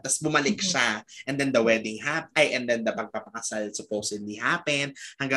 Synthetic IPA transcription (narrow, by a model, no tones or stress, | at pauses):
t̪ɐsbʊmɐlɪk̚ʃaʔɛ̃nd̪ɛnd̪ɐwɛd̪ɪŋɦapʔajʔɛ̃nd̪ɛnd̪ɐpɐɡ̚pɐpɐkɐsalsʊpowsɪd̪liɦaːpɛnhɐŋɡa